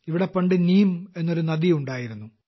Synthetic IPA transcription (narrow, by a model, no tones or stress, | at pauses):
iʋiɽepɐɳɖɨniːme̞nːoɾunɐd̪iuɳɖaːjiɾunːu